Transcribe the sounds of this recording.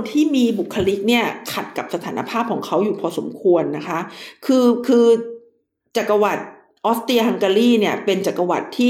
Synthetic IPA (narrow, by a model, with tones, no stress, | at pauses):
nt̪ʰiː˥˩miː˧bu˨˩kʰːa˧li˦˥k̚ni˥˩ɐkʰa˨˩t̪̚ka˨˩p̚sa˧t̪ʰaː˩˦na̰˧pʰaː˥˩p̚kʰɔː˩˦ŋkʰa˦˥wjuː˨˩pʰɔː˧so̰˩˦mkʰu˧ənːa˦˥kʰa˦˥kʰɯː˧kʰɯː˧ | t͡ɕa˨˩kːa˧wa˨˩t̪̚ | ʔɔː˦˥st̪i˧ha˧ŋkaː˧liː˥˩ni˥˩ɐpe˧nt͡ɕa˨˩kːa˧wa̰˨˩t̪ʰːiː˥˩